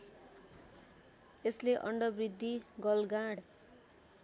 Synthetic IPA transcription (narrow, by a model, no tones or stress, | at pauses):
esleʔʌ̰ɳɖʌbrid̪ʱːiɡʌlɡaɽ